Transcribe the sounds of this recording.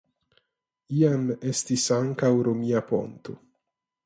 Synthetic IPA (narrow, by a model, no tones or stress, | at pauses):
iamest̪isaŋkawɾomiapo̞̰nt̪o̰